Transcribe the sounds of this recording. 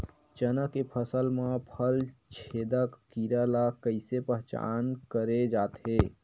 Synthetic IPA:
t͡ʃənəkːepʰəsəlmãpʰəlt͡ʃʰed̪əkːiɾalakəɪsepəɦt͡ʃa̰nkəɾed͡ʒat̪ɦe

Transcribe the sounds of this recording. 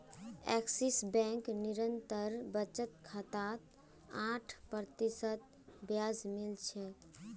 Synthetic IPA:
ɛ̰ksisbɛ̃ŋkniɾənt̪əɾbət͡ʃət̪kʰət̪at̪ | ãʈʰpɾət̪isət̪ | bjad͡ʒmilt͡ʃʰɛ

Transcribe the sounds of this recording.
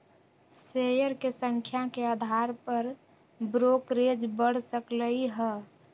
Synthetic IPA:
sejəɾkesə̃ŋkʰjakead̪ʱaɾpəɾ | bɾokɾed͡ʒbəɽ̤səkləiɦɛ

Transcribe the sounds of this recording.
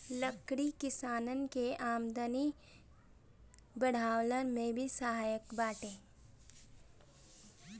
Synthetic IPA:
ləkɽikɪsaːnənkeʔaːmd̪əni | bəɽ̤aːwlənmẽbʱisəɦaːjəkbaːʈẽː

